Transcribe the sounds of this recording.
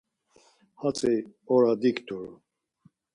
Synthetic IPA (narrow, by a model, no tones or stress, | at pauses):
hat͡sʼɛɔɾad̪ikt̪ʰʼuɾ